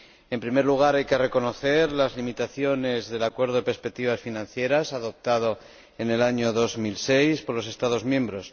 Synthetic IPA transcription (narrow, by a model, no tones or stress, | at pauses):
e̞mpɾime̞ɾluɣ̞aɾajke̞re̞ko̞no̞θe̞ɾlazlimit̪aθjo̞ne̞zðe̞lakwe̞ɾð̞o̞ðepeɾspe̞k̚t̪iβ̞asfinãn̟θje̞ɾasaðo̞p̚t̪að̞o̞ | ene̞laɲo̞ðo̞zmilse̞jspo̞ɾlo̞s̬e̞st̪að̞o̞zmjẽ̞mbɾo̞s